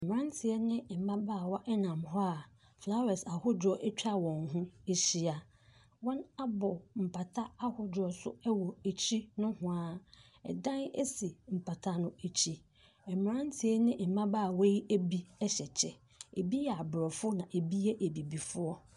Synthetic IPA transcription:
ɛ˨m˨ɾã˦n˦tʰɪ˨ɛ˦nɪ̃˦m̩˨mã˦baː˦˨wɔ˦ʔɛ˦nã˨mɦɔ˦a˨ | fla˦wɛ˨sa˨hʊ˦dɔ˦ʔɛ˦t͡ɕᶣa˦wɔ̃˨nɦʊ̃˦e˨ɕi˦a˨ | wɔ̃˦na˦bɔ˨m̩˨pʰa˨tʰa˦a˦hʊ˦dɔ˨sʊ̰˦ɛ˦wɔ˨e˨t͡ɕʰi˦nʊ̃˦hʊ̃˦a˨ | ɛ̰˨dã˦nḛ˦si˨m̩˨pʰa˨tʰa˦nʊ̃˦e˨t͡ɕʰi˦ | ɛ˨m˨ɾã˦n˦tʰɪ˨ɛ˦nɪ̃˦m̩˨mã˦ba˦˨we˦je˦bi˦ɛ˦ɕɛ˨t͡ɕʰɛ˨ | e˨bi˦jɛ˨a˨bɾɔ˨fʊ˦nã˨ʔe˨bi˦ɛ˦ʔe˨bi˨bi˨fʊ˦ɔ˦

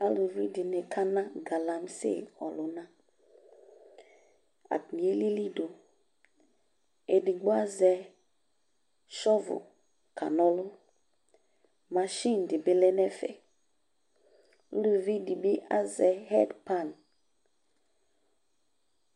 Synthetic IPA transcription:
a˦lu˨vi˦di˨ne˨kʰa˦nã˦ɡa˨la˦m˦sḛ˦˨ɔ̰˨lʊ˨˦na˦ | a̰˨ti˨e˦li˦li˦do˨ | e˨di˨ɡ͡bo˦a˦zɛ˦ | ʃɔ˦vʊ̰˨ | kʰa̰˨nɔ˦lʊ˦ | ma˨ʃi˦˨n˨dɪ˨be˦lɛ˦nɛ˦fɛ̰˨˦ | lu˨vi˦di˨bi˦ʔa˦zɛ˨hɛ˦dpa˦˨n

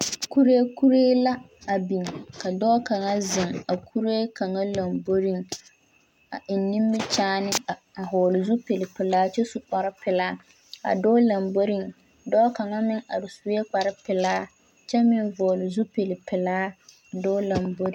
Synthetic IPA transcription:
ku˦ɾe˦ku˦ɾeː˦la˦ | a˨bi˨ŋ˨ka˨dɔː˦ka˨ŋa˦zɪ˨ŋa˨kʰu˦ɾe˦ka˨ŋa˦la˨mbo˦ɾi˦ŋ | a̰˨ʔɪ˨nːĩ˦m˦bɪ˦t͡ʃaː˦nɪ˦˨ | a˨ɦɔː˨lɪ˨zu˦pe˨lɪ˨pɪ˨laː˦t͡ʃɛ˦su˨k͡pa˨ɾɪ˦pɪ˨laː˦ | a̰˨dɔː˦la˨mbo˦ɾi˦˨ŋ | dɔː˦ka˨ŋa˦mɪ˦ŋa̰˨dʊ˨su˨we˦k͡pa˨ɾɪ˦pɪ˨laː˦ | t͡ʃɛ˦mɪ˦nvɔː˨lɪ˨zu˦pe˨lɪ˨pɪ˨laː˦˨ | dɔː˦la˨mbo˦ɾ

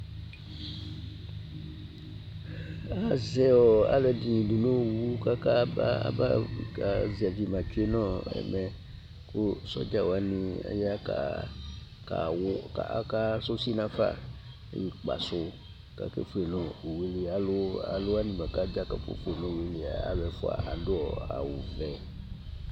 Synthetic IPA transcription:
a˨zɛ˦ɔ˨a̰˨lɛ˨di˨nĩ˨du˨nõ˦˨wu˦ka˦ka˦ba˦a̰˦ba˦˨ka˨zi˨a˨vi˨mã˨t͡ʃu˦e˦nɔ̃˦ɛ̰˨mɛ˨ | kʊ˦sɔ̰˦d͡ʒa˦wa˨nĩ˨a̰˦ja˦ka̰˨ | ka˨wka˨ka˦so˦si˦nã˨fa̰˦˨ | ḛ˦i˨k͡pa̰˨sʊ˦ | ka̰˨kḛ˦fu˦˨e˨nɔ̃˨we˨˦li˨a˨lʊ˦a̰˨lʊ˦a˦nĩ˨ma˨ka˦d͡ʒa˦ka˨fo̰˦fo˦e˨nɔ̃˨we˨˦li˨a̰˨a̰˨bɛ˨fʊ̰˦a̰˨ʔa˨dʊ˦ɔ˨a̰˨wu˨vɛ˨

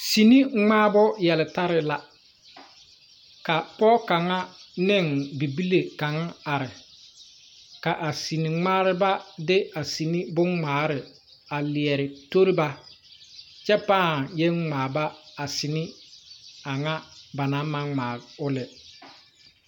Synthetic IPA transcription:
si˨ni˦ŋ͡maː˦bʊ˦jɛ˨lɪ˨ta˦ɾɪ˦la˨ | ka˨pɔ˦ka˨ŋa˦nɪ˦˨ŋbi˨bi˦le˨ka˨ŋa˦a˨ɾɪ˨ | ka˨ʔa˨si˨ni˨ŋ͡maː˦ɾɪ˦ba˦dɪ˦a˨si˨ni˦bʊ˦ŋŋ͡maː˨˦ɾɪ˨ | a˨lɪ˨ɛ˨ɾɪ˨to˦ɾɪ˦ba˦ | t͡ʃɛ˦paː˦˨jɛ˦ŋ͡maː˨ba˦a˨sɪ˨nɪ˦ | a˨ŋa˦ba˨na˨˦ma˦ŋ͡maː˨ʊ˦lɪ˨

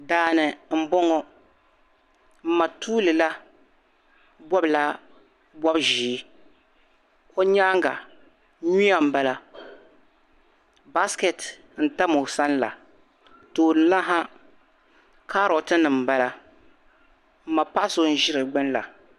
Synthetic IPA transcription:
daː˨˦nɨ˨m̩˦bɔ˦ŋɔ˦ | m̩˦ma˨tuː˦lɨ˨la˦ | bɔ˦bla˦ | bɔ˦bʒiː˨˦ | ko˦ɲaː˦ŋɡa̰˨ | ɲi˦a˨m̩˨ba˦la˦ | ba˦skɛ˨t | n̩˨ta˦mo˨sa˦nla̰˨ | toː˨nɨ˨la˦ɦa˦ | ka˦ɾo˨tɨ˦nɨ˨m̩˨ba˦la˦ | m̩˦ma˨pa˦ʔso˨n̩˦ʒɪ˦ɾɨ˨ɡ͡bɨ˦nla̰˨

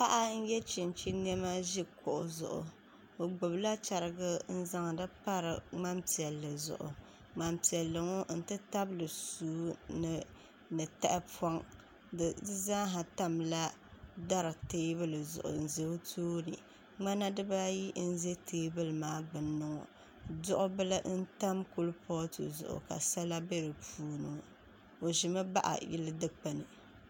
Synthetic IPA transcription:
pa˦ʔa˦n̩˦jɛ˦t͡ʃi˨nt͡ʃi˦n˦ɛ˦ma˦ʒi˦kʊ˨ʔʊ˨zʊ̰˨ʔʊ̰˨ | o˨ɡ͡bʊ˨bla˦t͡ʃa˨ɾɨ˨ɡɨ˦n̩˦za˦ŋ˨dɨ˦pa˦ɾɨ˨ŋ͡ma˦mti˨ɛ˨lːɨ˨zʊ̰˨ʔʊ̰˨ | ŋ͡ma˨mti˨ɛ˨lːɨ˨ŋo˦n̩˦˨tɨ˦ta˦blɨ˨suː˦nɨ˨ | nɨ˨ta˦ʔɪ˦pɔ˦ŋ | dɨ˨˦za˦ɦa˨ta˦mla˦ | da˦ɾɨ˨teː˦bɨ˦lɨ˨zʊ̰˨ʔʊ̰˨n̩˨ze˨˦tʰoː˦nɨ̰˨ | ŋ͡ma˦na˦dɨ˦ba˦ji˦n̩˦ze˦tʰeː˦bɨ˦lɨ˨maː˦ɡ͡bɨ˨nːɨ˨ŋɔ̰˨ | dʊ˦ʔʊ˦bɨ˦lɨ˦ʔn̩˦ta˦mku˦lpʰɔ˦tʰṵ˨zʊ̰˨ʔʊ̰˨ka̰˨sa˦la˦be˦ɾɨ˨puː˦nɨ̰˨ŋɔ˨ | o˨ʒɪ˨mɨ˦ba˦ʔa̰˨jɪ̰˦lɨ˦dɨ˦k͡pa˨nɨ˨

